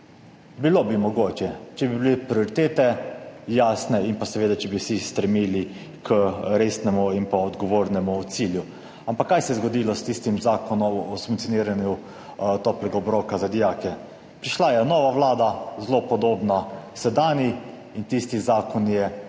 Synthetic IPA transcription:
bilobimɔɡoːt͡ʃjɛt͡ʃɛbibilepɾioɾit̪eːt̪ɛjaːsnɛinpasɛʋeːd̪at͡ʃɛbiwsist̪ɾɛmiːli | kʰəɾesnɛmuinpaɔd̪ɡɔʋoːɾnɛmut̪siːlju | ampakːajsɛjɛzɡɔd̪iːlɔst̪ist̪imzaːkɔnɔmɔsuŋkt̪ioniːɾanju | t̪oplɛɡaɔbɾokazad̪ijaːkɛ | pɾiʃlajɛnɔːʋaʋlaːd̪azlopɔd̪oːbnasɛd̪aːni | int̪ist̪izaːkɔnjɛ

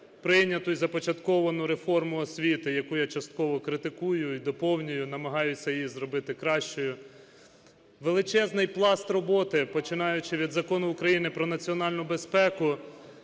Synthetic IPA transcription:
pɾɪnʲɐt̪ʊizɐpɔt͡ʃɐt̪kɔʋɐnʊɾefɔrmʊɔsʲʋʲit̪ɪjɐkujat͡ʃɐst̪̚kɔʋɔkɾɪt̪ɪkujʊid̪ɔpɔwnʲijʊnɐmɐɦɑjʊsʲɐjjizɾɔbɪt̪ɪkɾɑʃt͡ʃɔjʊ | ʋelˠɪt͡ʃɛznɪjplˠɑst̪rɔbɔt̪ɪpɔt͡ʃɪnɑjʊt͡ʃɪʋʲid̪zɐkɔnʊːkɾɐjinɪpɾɔnɐt͡sʲiɔnɑlʲnʊbespɛkʊ

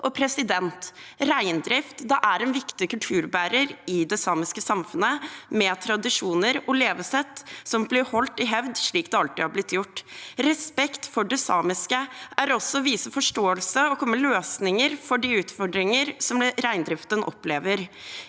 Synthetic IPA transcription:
ʔɔpʰɾɛsɪd̪ɛnt̪ɾæɪnd̪ɾɪft̪d̪ɛʔæɾɛnʋɪkt̪ɪkʉlt̪ʰʉːɾbæːɾəɾɪd̪ɛsɑːmɪskəsɑmfʉnəmɛːt̪ʰɾɑd̪ɪʂuːnəɾɔleːʋəsɛt̪ːsɔmblɪɾhɔlt̪ɪɦɛʋd̪ʂɭiːk̚d̪ɛɑlt̪ɪːhɑɾblɪt̪ːjʊʈːɾɛspɛkt̪fɔɖɛsɑːmɪskəʔæɾɔsːɔʋiːsəfɔʂʈoːəlsəɔkʰɔmːəløːsnɪŋəɾfɔɖiʉːt̪fɔɖɾɪŋəɾsɔmɾæɪnd̪ɾɪft̪ənʔɔ̰pleːʋəɾ

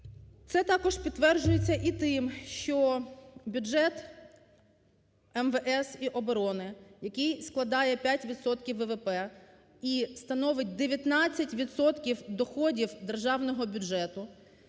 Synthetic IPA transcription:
t̪sɛt̪ɑkɔʒpʲid̪t̪ːʋɛrd͡ʒʊjet͡sʲːɐʔit̪ɪmʃt͡ʃɔbʲʊdd͡ʒɛt̪ | ɛmʋɛʔɛsiʔɔbɔɾɔnɪjɐkɪjsklˠɐd̪ɑjɛpʲjatʲʋʲid̪sɔt̪kʲiwʋɛʋepɛ | ist̪ɐnɔʋɪt̚ʲd̪eʋʲjɐt̪nɑt͡sʲːɐtʲʋʲid̪sɔt̪kʲiwd̪ɔxɔdʲiwd̪erʒɑwnɔɦɔbʲʊdʒɛt̪ʊ

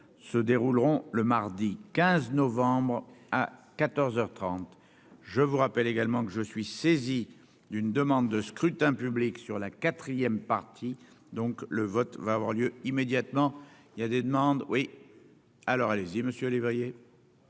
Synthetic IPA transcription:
səd̪eʁulʁɔ̃ləmaʁd̪ikʲɛ̃znɔvɑ̃bʁakat̪ɔʁzœʁt̪χɑ̃t̪ | ʒəvuʁapɛleɡalmɑ̃kəʒəsɥisezi | d̪ynd̪əmɑ̃d̪ːəskχyt̪ɛ̃pybliksyʁlakat̪χijɛmpaʁt̪ʰi | d̪ɔ̃kləvɔt̪vaːvwa̰ʁljøimed̪jat̪mɑ̃iljad̪ed̪əmɑ̃d̪wi | alɔʁaleziməsjølivʁije

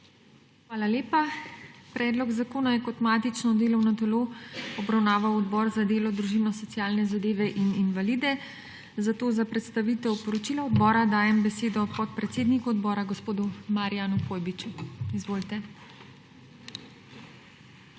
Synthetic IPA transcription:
xʋaːlaleːpapɾɛːd̪lɔɡzakoːnajɛkɔt̪mat̪it͡ʃnɔd̪eːlɔwnɔt̪ɛloːɔbɾawnaːʋawɔd̪bɔːɾzad̪eːlɔd̪ɾuʒinɔsɔt̪siaːlnɛzad̪eːʋɛʔininʋaliːd̪ɛ | zat̪oːzapɾɛt̪st̪aʋit̪ɛwpɔɾɔt͡ʃilaɔd̪bɔːɾad̪aːjɛmbɛseːd̪ɔpɔt̪̚pɾɛt̪seːd̪nikuɔd̪bɔːɾaɡɔspoːd̪umaɾijaːnukoːjbit͡ʃuizʋoːlt̪ɛ

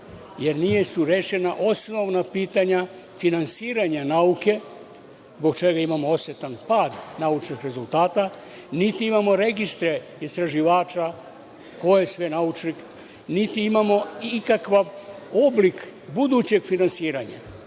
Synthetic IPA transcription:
je̞ɾnije̞suɾeʃe̞naʔo̞sno̞ʋnapiːt̪aɲa | finansiːɾaɲanauke̞ | zbo̞ɡt͡ʃe̞ɡaimamoo̞sjet̪anpaːd̪naut͡ʃnixɾe̞zult̪aːt̪a | nit̪iimamo̞ɾeɡist̪ɾe̞ | ist̪ɾaʒiʋaːt͡ʃa | ko̞jesʋe̞naut͡ʃnix | nit̪iimamo̞kakʋaʋo̞blikbud̪ut͡ɕe̞ɡfinansiːɾaɲa̰

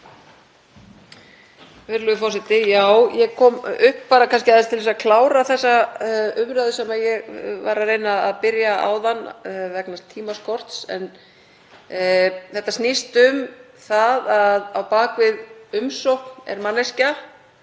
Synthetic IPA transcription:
vɪɾlʏfɔsɪt̪ɪjaːwjɛɣkʰɔːmʏhppːaːɾakʰanscɪaðɪst̪ʰɪlvɛsakʰlaːwɾaθɛsːaʏmɾaðʏsɛmaðjɛɣvaɾareːjnaaðpɪɾjaʔa̰ːwðanːvɛknast̪ʰːiːmaskɔr̥t̪sɛ̰n | θɛht̪ːast̪nɪst̪ʏm | θaðaðawpaːkvɪðʏmsowhknɛ̰ɾmanːasca

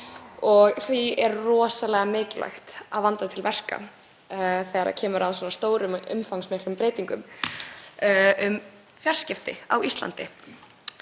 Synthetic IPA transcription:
ɔɣθviɛɾrɔːsalɛɣamɪːcɪlʔa̰jxt̪aðvant̪aɪt̪ʰɪlvɛr̥ka̰ | θɛɾa̰cʰɛːmʏɾaðs̬wɔːnast̪oːwɾʏmʏ̰mfawŋsmɪhklʏmpɾeːjt̪iŋkʏm | ʏm | fjar̥scɪft̪ɪ̰awist̪la̰nt̪ɪ

